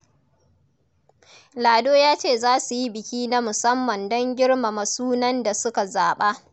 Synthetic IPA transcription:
laː˨doː˦jaː˦t͡ʃeː˦˨zaː˦su˨ji˦bɪ˨kʲiː˦na˦mʊ˨sɐ˦mːɐ˨ndɔ˦ŋɡʲɪ˦ɽma˨ma˨suː˦nɐ˦nda˨sʊ˦ka˨zaː˨ɓa˦

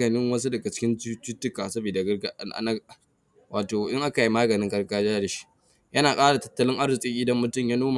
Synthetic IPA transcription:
ɐ˨nɪ˦ŋwɐ˦s̬u˦dɐ˨ɡa˨t͡ʃɪ̥˦kʲɪ˦nu˦t͡ʃu˦tːʊ˦kaː˨sɐ˦bi˨da˨ɡɐ˦ɡa˦ʔa̰˨˦na˦ | waː˨toː˨ʔɪ˦ŋʔa˦ka˨ji˦maː˦ɡɐ˨nɪ˦ŋkʼɐ˦ɽɡaː˦d͡ʒaː˦da˨ʃi̥˦ | jɐ˦naː˨kʼaː˦ɽa˨tɐ̥˦tːɐ˦lɪ˦ŋʔa˦ɽɪ˨sʼi˦ʔʲɪ˦dɐ˦mːʊ˨tʊ˦˨mjaː˦noː˦ma˨

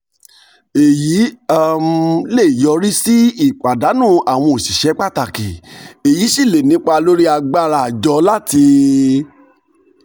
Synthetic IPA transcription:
e˨ji˨˦a˦m˦le˦˨jɔ˧˦ɾi˦si˦i˦˨k͡pa˨da˨˦nũ˦˨a˨w̃ɔ̃˧o˨si˨ʃɛ˨˦k͡pa˦˨ta˨ke˨e˨jiː˨˦ʃi˦˨le˨nĩ˨˦k͡pa˧lo˦ɾi˦a˧ɡ͡ba˦˨ɾa˨d͡ʒɔ˧˦la˦ti˧

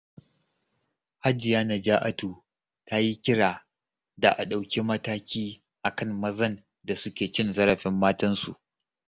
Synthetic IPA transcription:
ha˦d͡ʒɪ˨jaː˦na˨d͡ʒaː˦ʔa˦tuː˨ | ta˦ji˦kʲɪ˦ɽaː˨ | da˨ʔa̰˨ɗa˨wkʲi˦mɐ˦taː˦kʲiː˦ | ʔa˨kɐ˦mmɐ˦zɐ˦n | da˨sʊ˦kʲeː˨t͡ʃɪ˦nzɐ˦ɾɐ˨ɸɪ˦mːaː˦tɐ˦nsṵ˨ʔ

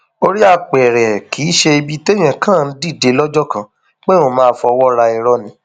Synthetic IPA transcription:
o˧ɾi˦a˧˨k͡pɛ˨ɾɛ˨kʰi˨˦ʃe˧i˧bi˦te˦j̃ɛ̃˨kã˦˨n̩˦di˦˨de˨˧˦lɔ˦d͡ʒɔ˦kã˧ | k͡pe˦o˦˨mãː˦˧˦fɔ˧wɔ˦ɾa˧i˨ɾɔ˧nĩ˧˦

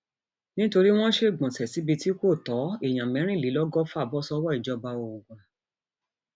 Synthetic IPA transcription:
nĩ˦to˧ɾi˦w̃ɔ̃˦ʃe˦˨ɡ͡bɔ̃˨tɛ˨si˨˦bi˧ti˦ko˦˨tɔ˨˦e˨j̃ã˨mɛ̃˨˦ɾ̃ĩ˦˨li˨˦lɔ˦ɡɔ˦fa˦˨bɔ˦sɔ˦wɔ˦i˨d͡ʒɔ˧ba˧o˨u˨ɡã˨

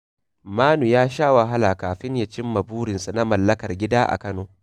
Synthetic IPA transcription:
maː˦nu˨jaː˦ʃaː˦wa˨ɦa˦la˨kaː˨ɸɪ˦ɲja˨t͡ʃɪ˦mːɐ˨buː˦ɽɪ˨nsu˨na˦mɐ˨lːɐ˦kɐ˨rɡʲɪ˦daː˦ʔa̰˨kɐ˦noː˨

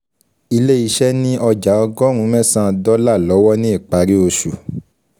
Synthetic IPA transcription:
i˧le˦˨i˨˦ʃɛ˦nĩ˦ʔɔ˧d͡ʒa˨˦ɔ˧ɡɔ˦ɾ̃ũ˨˦mɛ̃˦˨sã˦˨˧dɔ˦la˦˨lɔ˨˦wɔ˦nĩ˦i˦˨k͡pa˨˦ɾi˦o˧ʃu˨

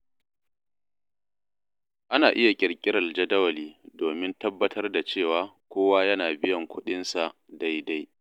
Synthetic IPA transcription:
ʔa˦naː˨ʔɪ˦ja˨kʲʼɪ˨rkʲʼɪ˦ɽɐ˨ld͡ʒɐ˦dɐ˦wɐ˨liː˦doː˨mɪ˦ntɐ˦bːɐ˦tʰɐ˦rda˨t͡ʃeː˦˨waː˦kʷoː˦waː˦jɐ˦naː˨bɪ˦jɐ˨ŋkʷʊ˦ɗɪ˦nsa˨ʔ | da˦jda˦j

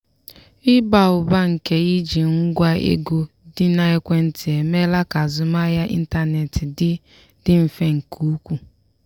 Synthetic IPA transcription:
ɪ˦ba˨ʊ˨ba˦ŋ̩˨ke˦i˦d͡ʒi˨ŋ̩˦ɡʷa˦ḛ˦ɡo˦ | dɪ˦na˦e˦kʷe˦n̩˨tɪ˨e˨me˦la˦ka˨zʊ˨ma˦ja˦ʔḭ˦n̩˦ta˦ne˨tɪ˨dɪ˦ | dɪ˦m̩˨fe˦ŋ̩˨kʰu˦kʷu˨

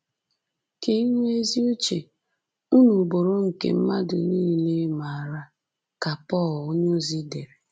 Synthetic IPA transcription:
ke˨i˦ŋʷ˦e˦zi˦o˦t͡ʃe˨ | u˦nu˨bo˨ɾo˦ŋ̩˨kḛ˨m̩˦ma˦dʊ˨niː˦˨le˦ma˨a˨ɾa˦ | ka˨pɔ˦˨lo˦ɲʊ˦zi˦de˨ɾe˨

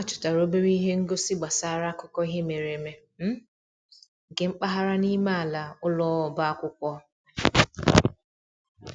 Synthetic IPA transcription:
a˦t͡ʃʊ̥˨ta˨ɾo˦be˦ɾi˦ɦe˦ŋ̩˦ɡo˦sɪ˦ɡ͡ba˨sa˦ɾa˦kɔ˦kɔ˦i˦ɦe˦me˨ɾe˨me˦ | m̩˦˨ | ke˨mŋ͡m̩˦k͡pa˦ɦa˦ɾa˦ni˦ma˦a˨la˨ʊ˦lɔ˦ɔ˨ba˦a˦kʷʊ˦kʷɔ˦

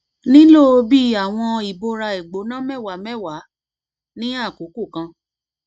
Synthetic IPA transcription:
nĩ˦lo˦˨o˧bi˦a˦˨w̃ɔ̃˧i˨bo˧ɾa˧i˨ɡ͡bo˨˦nã˦mɛ˦˨wa˨˦mɛ˦˨wa˨˦ | nĩ˦a˦˨ko˨˦ko˦˨kã˧

